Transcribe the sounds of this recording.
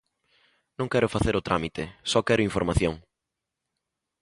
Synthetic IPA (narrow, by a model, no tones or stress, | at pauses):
nõŋkɛɾʊfaθeɾʊt̪ɾamit̪ɪsɔkɛɾʊiɱfoɾmaθjõŋ